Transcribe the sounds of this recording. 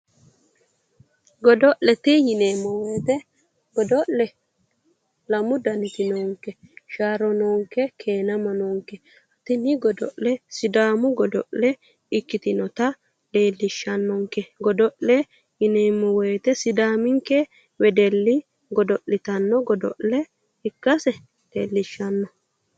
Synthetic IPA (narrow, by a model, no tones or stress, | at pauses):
ɡɔd̪ɔʔlɛt̪ɪjɪneːmːɔweːt̪ɛ | ɡɔd̪ɔʔlɛ | lɐmʊd̪ɐnɪt̪ɪnoːŋkɛʃaːɾɔnoːŋkɛkʰeːnɐmɐnoːŋkɛ | ɐt̪ɪnɪɡɔd̪ɔʔlɛsɪd̪aːmʊɡɔd̪ɔ̰ʔlɛ | ɪkːɪt̪ɪnɔt̪ɐ | le̞ːlːɪʃːɐnːɔŋkɛɡɔd̪ɔʔlɛ | ɪneːmːɔwɔjt̪ɛsɪd̪aːmɪŋkːɛ | wɛd̪ɛlːɪ | ɡɔd̪ɔʔlɪt̪ɐnːɔɡɔd̪ɔ̰ʔlɛ | ɪkːɐsɛ | leːlːɪʃːɐnːɔ